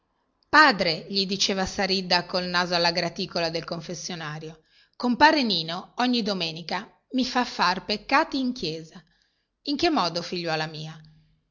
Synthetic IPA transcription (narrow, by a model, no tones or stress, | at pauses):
paːd̪ɾeʎid̪it͡ʃeːvasaɾid̪ːakolnaːzoalːaɡɾat̪iːkolad̪elkoɱfesːjonaːɾjo | kompaːɾeniːnoɔɲːid̪omeːnika | mifafːarpekːaːt̪iːŋkjɛːza | iŋkemːɔːd̪ofiʎːwɔːlamiːa